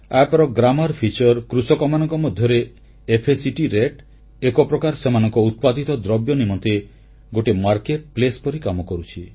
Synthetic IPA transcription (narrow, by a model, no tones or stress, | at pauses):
apɔɾɔɡɾamɔɾpʰit͡ʃɔɾkɾusɔkɔmanɔŋkɔmɔd̪ʱjɔɾeː | pʰesiʈiɾeʈ | ekɔpɾɔkaɾsemanɔŋkɔut̪̚pad̪it̪ɔd̪ɾɔbjɔnimɔnt̪e | ɡoʈemaɾkeʈ̚plespɔɾikamɔkɔɾut͡ʃʰi